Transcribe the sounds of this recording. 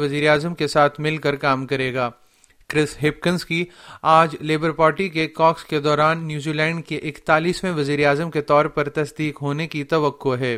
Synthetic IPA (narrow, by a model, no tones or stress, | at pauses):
ʋɐziːɾeaːzəmkesaːt̪ʰmɪlkɐɾkaːmkɐɾeːɡaː | kɾɪsɦɪp̚kə̃nskiaːd͡ʒleːbəɾpaːɾʈikekɔːksked̪ɔːɾaːnːjuːziːlɛ̃ːɳɖkeʔɪkt̪aːliːsmẽʋɐziːɾaːzəmket̪ɔːɾpɐɾt̪ɐsd̪iːkɦoːnekit̪ɐʋəqːoɦɛː